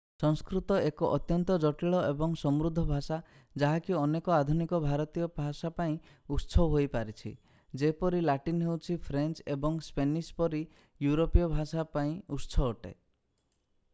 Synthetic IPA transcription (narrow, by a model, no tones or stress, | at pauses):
sɔŋskɾut̪ɔekɔʔɔt̪jɔnt̪ɔd͡ʒɔʈiɭɔebɔŋsɔmɾud̪ʱːɔbʱasa | d͡ʒaɦakiɔnekɔad̪ʱunikɔbʱaɾɔt̪ijɔbʱasapaĩ | utːsʰɔwɦojpaɾit͡ʃʰḭ | d͡ʒepɔɾilaʈinɦewt͡ʃʰipʰɾent͡ʃebɔŋspenispɔɾi | juɾopijɔbʱasapaĩutːsʰɔːʈḛ